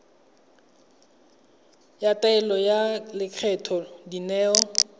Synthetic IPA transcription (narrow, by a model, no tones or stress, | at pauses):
jataɛlɔjalɪkʰɛtʰɔdinɛːɔ